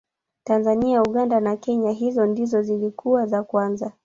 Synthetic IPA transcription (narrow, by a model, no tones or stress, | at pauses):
tanzaniauɠandanakɛɲaɦizɔndizɔzilikuwazakwanza